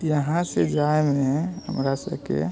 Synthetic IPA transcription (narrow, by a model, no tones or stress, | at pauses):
jəɦãsed͡ʒaemeɦə̰mɾasə̰kḛ